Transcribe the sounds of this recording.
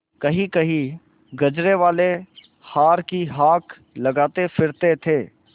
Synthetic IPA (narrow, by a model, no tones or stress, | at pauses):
kɐɦĩkɐɦĩ | ɡɐd͡ʒɾeʋaːle | haːɾkiɦaːk | lɐɡaːt̪efʰɪɾt̪et̪ʰeː